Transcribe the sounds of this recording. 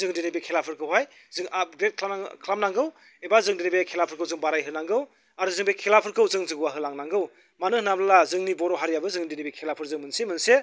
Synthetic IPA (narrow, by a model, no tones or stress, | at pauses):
zɯŋdinibekʰelapʰɯɾkʰɯwɦaj | zɯŋʔap̚ɡɾet̚kʰlakʰlamnaŋɡɯw | ebazɯŋdinibekʰelapʰɯɾkʰɯwzɯŋbaɾajɦɯnaŋɡɯw | aɾuzɯŋbekʰelapʰɯɾkɯwzɯŋzɯɡuwaɦɯlaŋnaŋɡɯw | manɯhnablazɯŋnibɔɾɔɦaɾjabɯzɯŋdinibikʰelapʰɯɾzɯŋmɯnsemɯnse